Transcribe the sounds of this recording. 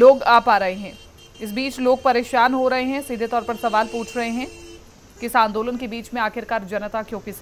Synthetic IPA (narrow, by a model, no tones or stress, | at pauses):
loːɡaːpaːɾɐɦeɦɛ̃ː | ɪs̬biːt͡ʃloːɡ̚pɐɾeːʃaːnɦoɾɐɦeɦɛ̃siːd̪ʱet̪ɔːɾpɐɾsɐʋaːlpuːt͡ʃʰɾɐɦeɦɛ̃ | kɪsãːnd̪oːlənkebiːt͡ʃmẽaːkʰɪɾkaːɾd͡ʒɐnət̪akjõːkis